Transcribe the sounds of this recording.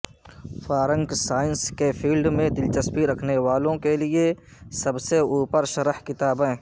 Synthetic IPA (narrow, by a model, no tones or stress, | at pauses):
faːɾə̃ŋɡsaːɪnskefʰiːlɖmẽd̪ɪlt͡ʃəspiɾɐkʰnewaːlõkelie | sɐbseuːpəɾʃɐɾəhkɪt̪aːbɛ̃ː